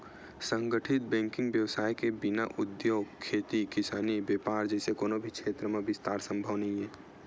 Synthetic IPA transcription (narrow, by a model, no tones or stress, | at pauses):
sə̃ŋɡəʈʰɪt̪̚bɛ̃ːŋkɪ̃ŋɡʋjəʋsaːjkebɪnaʔʊd̪joːɡkʰːeːt̪ikɪsaːnibeːpaːɾd͡ʒɛːsekoːnobʱikʃeːt̪ɾəmẽbɪst̪aːɾsə̃mbʱəʋnəɦĩɦɛː